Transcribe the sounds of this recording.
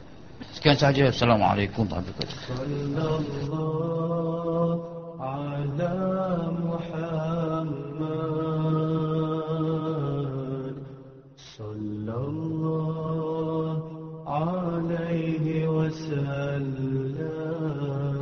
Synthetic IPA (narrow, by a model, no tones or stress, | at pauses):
skiansahad͡ʒasalamʕa̰lekumt̪ˤa̰bika̰t̪sˤɑlːɑlːɑ | ʕalamʊħamːa | d̪ | sˤɑlːɑlːɑ | ʕalajɦɪwasalːa